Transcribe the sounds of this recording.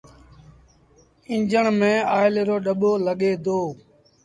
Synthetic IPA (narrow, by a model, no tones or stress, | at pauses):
ɪ̃ɲd͡ʒəɳmẽːaːɪlɾoːɗəɓoːləɠeːd̪oː